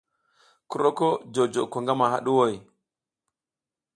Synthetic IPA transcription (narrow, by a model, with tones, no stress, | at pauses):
ku˦ɾo˦ko˦d͡ʒo˨d͡ʒo˨ko˨ŋɡa˦ma˨ha̰˦ɗu˦wo˦˨j